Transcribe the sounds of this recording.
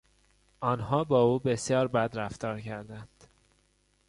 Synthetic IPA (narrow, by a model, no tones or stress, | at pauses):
ɒːnɦɒːbɒːuːbe̞sjɒːɾbæd̪ɾæft̪ɒːɾcʰæɾd̪ænd̪̥